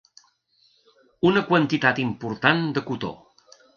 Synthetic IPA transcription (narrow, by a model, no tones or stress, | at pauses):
unəkwənt̪it̪at̪impuɾt̪and̪əkut̪o̰